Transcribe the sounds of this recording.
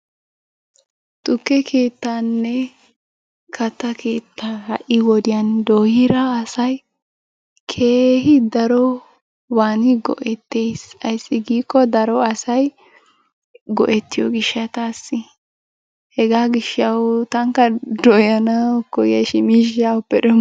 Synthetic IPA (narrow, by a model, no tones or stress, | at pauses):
t̪ʼʊkːɛkʰeːt̪ːanːɛ | kʰɐt̪ːɐkʰeːt̪ːahɐʔɪwɔd̪ɪjɐnd̪oːhɪɾɐːsɐj | kʰe̞ːhɪd̪ɐɾɔ | waːnɪɡɔ̰ʔɛt̪ːeːjsɐjsːɪɡiːkːɔd̪ɐɾɔɐsɐj | ɡɔ̰ʔɛt̪ːɪjɔɡɪʃɐt̪aːsːɪ | hɛɡaːɡɪʃɐwt̪ɐŋkɐd̪ɔjɐnɐkɔjɐʃɪmiʃapːɛɗɛ